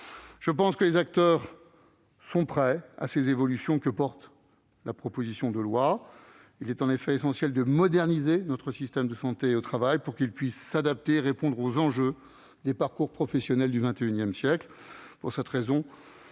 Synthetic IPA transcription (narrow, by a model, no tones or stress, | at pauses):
ʒ̥əpɑ̃skəlezak̚t̪œːʁ | sɔ̃pχɛa̰sezevɔlysjɔ̃kəpɔʁt̪ | lʔapχɔpozisjɔ̃d̪əlwa | ilɛt̪ɑ̃nefɛesɑ̃sjɛld̪əmɔd̪ɛʁnizenɔt̪χəsist̪ɛmd̪əsɑ̃t̪eot̪χavajpuʁkʲilpɥisːad̪ap̚t̪eːʁepɔ̃d̪ʁozɑ̃ʒø | d̪epaʁkuʁpχɔfɛsjɔnɛld̪yvɛ̃t̪eynjɛmsjɛkl | puʁsɛt̪ʁezɔ̃